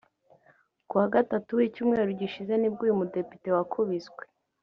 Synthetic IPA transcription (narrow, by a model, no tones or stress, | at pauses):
kuwaɡatatuwicuːmŋe̞ːɾuɾɟiʃize̞nib̚ɡijumude̞pite̞wakʰuβizɡwe